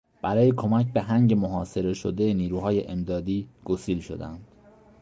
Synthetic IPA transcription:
b̥æɾɒːjekʰo̞mæc̚ʰbe̞ɦæŋɟe̞moɦɒːse̞ɾe̞ʃod̪eniːɾuːhɒːjeʔemd̪ɒːd̪iːɡ̥osiːlʃo̞̰d̪æ̰nd̪̥

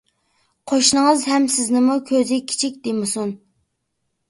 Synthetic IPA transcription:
qʰoʃnɨŋəzɦɛmsɪznɪmukʲʰøzɪkʲʰi̥t͡ʃʰikʲd̪emɪsun

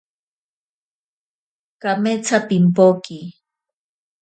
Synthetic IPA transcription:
kamet͡sʰapimpoki

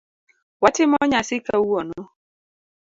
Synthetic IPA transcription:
watɪmɔɲasɪkauɔnɔ

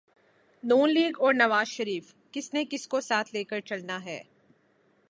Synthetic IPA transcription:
nuːnliːɡɔːɾnɐʋaːzʃɐɾiːf | kɪsnekɪskosaːt̪ʰleːkəɾt͡ʃɐlnaɦɛː

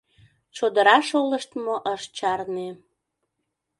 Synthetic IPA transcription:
t͡ɕod̪əɾɑʃoləʃt̪moʔəʃt͡ɕɑrne

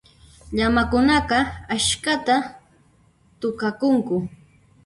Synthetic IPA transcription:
ʎamakʊnɑqɑaʃkat̪a | t̪ʊkakʊŋkʊ

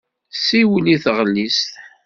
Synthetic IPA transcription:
siwəliθʁəlːisθ

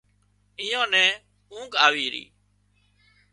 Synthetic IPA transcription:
ɪjõːnɛ̃ː | ũːkaːʋiːɾḭː

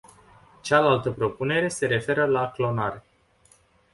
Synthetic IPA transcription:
t͡ʃalalt̪əpɾo̞pune̞ɾe̞se̞ɾe̞fe̞ɾəlaklo̞naɾe

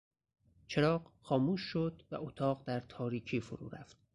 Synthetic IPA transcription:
t͡ʃʰeɾɒːɢxɒːmuːʃːod̪væ̰ʔot̪ʰɒːɢd̪æɾt̪ʰɒːɾiːcʰiːfoɾṵːɾæ̰ft̪̚

